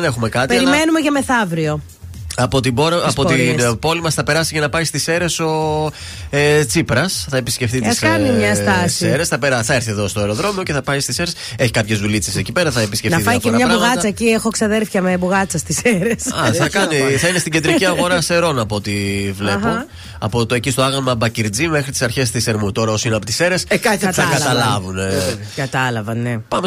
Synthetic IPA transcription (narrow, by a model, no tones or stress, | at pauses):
ne̞xume̞kɐt̪ipieɾime̞numeʝɐme̞θɐvɾio̞ | ɐpot̪iboɾɐɐspot̪ibo̞limɐsθɐpe̞ɾɐsicɐnɐpɐist̪ise̞ɾe̞so̞ | t͡sipɾɐsθɐepisce̞fθit̪ɐskɐniɲɐst̪ɐssieɾesθɐpe̞ɾɐθɐeɾθieðo̞st̪o̞eɾo̞ðɾo̞mio̞ceθɐpɐist̪iseɾese̞çi̥kɐpçe̞zðulit͡siseci̥pe̞ɾɐθɐepiskʲcefnɐifɐiemɐɲɐɾuɣɐt̪t͡sɐeciexoksɐðeɾfjɐmebuɣɐt͡sɐst̪iseɾesɐθɐkɐniθɐine̞st̪iɟed̪ɾiciɐɣo̞ɾɐse̞ɾo̞nɐpot̪ivle̞po | ɐpo̞t̪oecist̪oɐɣɾɐmɐbɐciɾd͡zime̞xɾit̪i̥sɐɾçe̞st̪iseɾmut̪o̞ɾɐo̞soineɐpot̪i̥se̞ɾeskɐθɐkɐt̪ɐlɐvunekɐt̪ɐlɐvɐnepɐme